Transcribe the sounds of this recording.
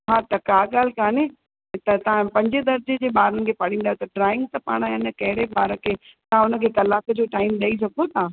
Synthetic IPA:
ɦaːt̪ɐkaːɠaːl̤kaːne | t̪ɐt̪ɐ̤ãpɐ̃ɲd͡ʑed̪ɐɾd͡ʑed͡ʑeːɓaːɾənɪ̆kʰeːpɐɽ̤ĩːn̆d̪ajot̪ɐɖɾaːɪ̃ŋɡ̚t̪ɐpa̰ːɽ̃aːjankɐɦɪɽeɓaːɾəkʰeːt̪ɐãʊnə̆kʰeːkɐlaːkəd͡ʑoːʈaːɪmɗɐis̬ɐɡ̪̚ot̪ã

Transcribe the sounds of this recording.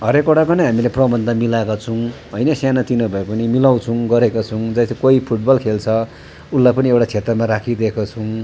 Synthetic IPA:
ɦʌɾekoʈakonʌɦamileprʌbʌnd̪ʱʌmilakot͡sʰʌw̃ | ɦʌjnʌsjanat̪inʌbʱʌepʌnimilaw̃t͡sʰʌ̃ɡʌɾekot͡sʰʌw̃d͡zʌst̪ʰekoipʰuʈbʌlkʰelt͡sʰʌ | ulːajpʌniewʈat͡sʰet̪rʌmaɾakʰid̪ekot͡sʰʌw̃

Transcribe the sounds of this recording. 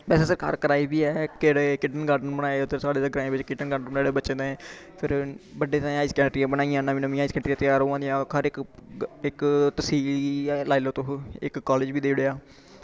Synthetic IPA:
bɛːseːsəɾkʰə̰ɾkəɾaːiːbiːɛːkeɽeːkɪɖənɡaːɾɖənbənaːeʊd̪əɾsaːɽeːd̪eɡɾãːẽbɪt͡ʃkɪʈənɡaːɖənbənaːɽeːbəːt͡ʃːd̪eɛ̃ː | pʰɪɾbəɖeːt̪ãaːiːskɛːʈɾijãːbənaːijãːnãːʋinəʋĩːaːiskɛːɳʈɾiãːt̪ɪjaːɾoːãːd̪ijãːɦəɾɪkɪkt̪əsiːliɛːlaːiloːt̪oɦɪ̰kːaːleːd͡ʒbiːd̪eːɽeːaː

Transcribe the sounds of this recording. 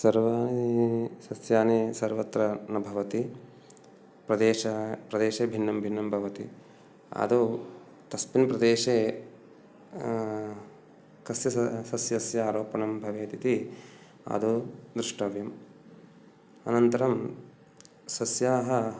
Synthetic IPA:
sɐɾʋaːnisɐsjaːneːsɐɾʋɐt̪ɾɐnɐbʱɐʋɐt̪i | pɾɐd̪eːʃɐpɾɐd̪eːʃeːbʱinːɐmbʱinːɐmbʱɐʋɐt̪i | ɐ̰d̪u | t̪ɐspinpɾɐd̪eːʃeː | kɐsjɐsɐsjɐsjɐaːɾoːpɐɳɐmbʱɐʋeːt̪it̪i | a̰d̪ud̪ɾuʂʈɐʋjɐm | ɐ̰nɐnt̪ɐɾɐm | sɐsjaːɦɐ

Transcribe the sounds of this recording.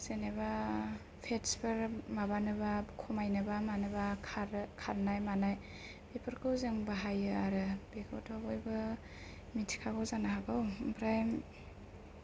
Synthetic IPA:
seneba | pʰetspʰɯɾmabanɯbakʰɔmajnɯbamanɯbaaɾkʰaɾnajmanaj | pepʰɯɾkʰɯwzɯŋbaɦajɯaɾɯbekʰowtʰabɔjbɯ | mitʰi̥kʰakʰɔwzanaɦaɡɯwpʰɾajm

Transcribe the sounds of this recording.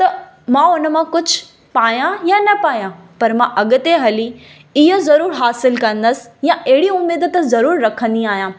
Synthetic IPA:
t̪ɐ | mãʊnə̆mãkʊd͡ʑʱʊ | paːjãjãnɐpaːjãːpɐɾmãʔɐɠʊ̆t̪eɦɐli | ɪɦozɐɾuːɾɦaːsɪlkɐ̃nd̪əsɪ̥jãʔɐɦɪɽiʊmːeːd̪ət̪zɐɾuːɾɾɐkʰə̃nd̪iaːɦijãː

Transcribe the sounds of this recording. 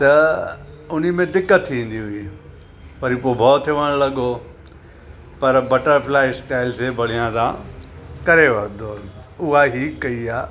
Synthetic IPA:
t̪ɐ | ʊn̤imẽd̪ɪkːət̪ʰːĩːn̆d̪iɦʊiː | pɐɾipobʱɔːt̪ʰːɪʋəɽ̃lɐɠo | pɐɾbɐʈəɾflaːɪsʈaːɪlsebʱɐɽ̤ijãsãkɐɾeʋɐɾd̪oʊɦaɦikːɐiaː

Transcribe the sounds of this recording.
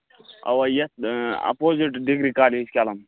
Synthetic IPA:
ɐ̰wɐjɐsɐ̰poːziʈɖikɾikaːliiskʲaːlɐm

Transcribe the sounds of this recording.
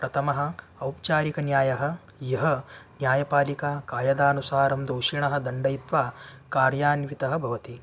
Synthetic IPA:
pɾɐt̪ʰɐmɐɦɐ̆ | ɐwp̚t͡ʃaːɾikɐnjaːjɐɦɐ̆ | jɐɦɐ̆njaːjɐpaːlikaːkaːjɐd̪aːnusaːɾɐmd̪oːʂiɳɐɦɐ̆d̪ɐɳɖɐjt̪ʋaːkaːɾjaːnʋit̪ɐɦɐ̆bʱɐʋɐt̪i

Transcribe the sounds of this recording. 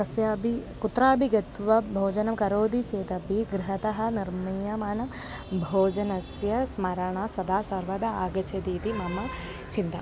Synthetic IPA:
kɐsjaːbikut̪ːɾaːbʱiɡɐt̪ʋɐbʱoːd͡ʒɐnɐmkɐɾoːd̪it͡ʃeːt̪ɐbiɡɾɪɦɐt̪ɐɦɐ̆niɾmijɐmaːnɐm | bʱoːd͡ʒɐnɐsjɐsmɐɾɐɳaːsɐd̪aːsɐɾʋɐd̪ɐaːɡɐt͡ʃɐd̪iːt̪imɐmɐ | t͡ʃint̪ɐ

